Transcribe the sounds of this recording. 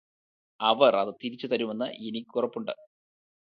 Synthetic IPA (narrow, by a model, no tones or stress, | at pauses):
ɐʋɐrɐðɨt̪iɾit͡ɕːut̪ɐɾume̞nːɨʔenikʲːurɐpːuɳɖɨ̰